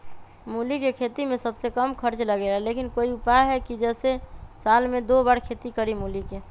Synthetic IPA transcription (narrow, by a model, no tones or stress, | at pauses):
mulikekʰet̪imẽsəbsekəmkʰəɾt͡ʃləɡeːlalekɪnkoiupaɦɛkid͡ʒɛːsesalmẽd̪obaːɽkʰet̪ikəɾimulike